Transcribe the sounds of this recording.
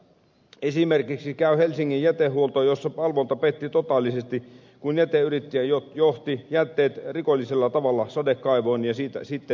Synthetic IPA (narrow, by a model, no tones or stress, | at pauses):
esimerkiksikæyhelsiŋːijjæt̪ehːuolt̪ojosːɑpɑlʋont̪ɑpet̪ːit̪ot̪ɑlːisest̪i | kunjæt̪eyrit̪ːijæjojoht̪ijæt̪ːeːt̪rikolʲːiselːɑt̪ɑʋɑlːɑsɑdekːɑiʋoːnjɑsiːt̪æsit̪ːe